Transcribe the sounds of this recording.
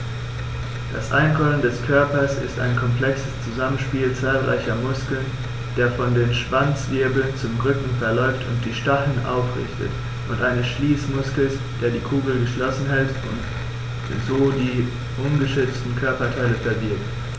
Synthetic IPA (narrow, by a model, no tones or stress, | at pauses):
d̥a̰sʔaɪnɡʰɔləndɛskʰœɐpɐsɪ̰sta̰ɪnkʰɔmpl̥ɛksəst͡suzamənʃpiːlt͡saːlʁa̰ɪçɐmʊskl̩n | d̥eːɐfɔndeːnʃv̥ant͡sv̥ɪɐbl̩nt͡sʊmʁʏkŋ̩fɛɐlɔʏftʰʊ̰nt̚d̥iːʃtaχn̩ʔa̰ʊfʁɪ̰çtə̰t | ʔʊntʔaɪnəsʃliːsmʊskl̩s | d̥eːɐdiːkʰuːɡl̩ɡəʃlɔsn̩ɦɛlt | ʊ̰nt | zoːdiː | ʔʊnɡəʃʏt͡stn̩kʰœɐpɐtʰaɪləfɛɐbɪɐp̚t